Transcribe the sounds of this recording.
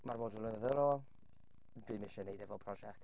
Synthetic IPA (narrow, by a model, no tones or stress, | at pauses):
marmoːdələnəðəɾɔ | dwiɨmɪʃənejdɛvɔpʰrɔʒɛk̚t